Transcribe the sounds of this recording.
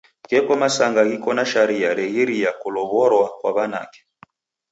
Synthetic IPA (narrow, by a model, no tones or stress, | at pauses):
kɛkɔmasaŋɡaɣikɔnaʃaɾiaɾɛɣɛɾijakulɔβɔɾwakwaβana̰kɛ̥